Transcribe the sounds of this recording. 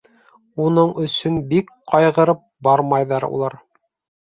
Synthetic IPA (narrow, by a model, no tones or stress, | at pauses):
unɤɴɵ̆sɵnbik | qɑjʁɤ̆ɾɤp̚bɑɾmɑjðɑɾṵlˠɑɾ